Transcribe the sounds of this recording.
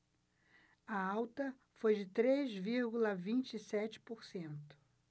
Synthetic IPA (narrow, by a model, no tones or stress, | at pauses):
ɐawt̪ɐ | fojd͡ʒɪt̪ɾezviɾɡulɐvĩnt͡ʃɪisɛt͡ʃɪ̥poɾsẽnt̪ʊ̥